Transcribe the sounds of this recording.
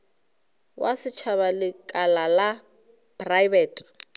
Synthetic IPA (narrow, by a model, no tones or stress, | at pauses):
wʔasɪt͡ʃʰaβalɪkʼalala | pʼrajbɛːtʼ